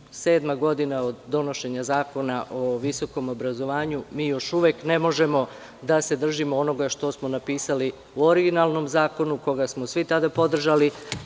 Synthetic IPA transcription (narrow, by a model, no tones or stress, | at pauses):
se̞ːd̪maɡo̞d̪inao̞d̪ːo̞no̞ʃe̞ɲazaːko̞naʔo̞ʋiso̞ko̞mo̞bɾazo̞ʋaːɲumiːjo̞ʃuʋekne̞mo̞ʒe̞mo̞ | d̪ase̞d̪r̩ʒimoono̞ɡaʃt̪o̞smonapiːsali | uoɾiɡinalˠno̞mzaːko̞nuko̞ɡasmosʋit̪ad̪apo̞d̪r̩ʒali